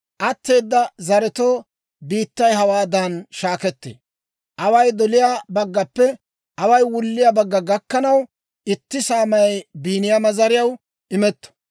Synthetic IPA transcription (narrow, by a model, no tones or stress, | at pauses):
ʔɐt̪ːe̞ːd̪ːɐzɐɾɛt̪oː | biːt̪ːɐjhɐwaːd̪ɐnʃaːkɛt̪ːḛː | ʔɐwɐjd̪ɔlɪjaːbɐɡːɐpːɛ | ʔɐwɐjwʊlːɪjabɐɡːɐɡɐkːɐnɐw | ʔɪt̪ːɪsaːmɐjjbiːnɪjamɐzɐɾɪjɐw | ʔɪmɛt̪ːɔ̥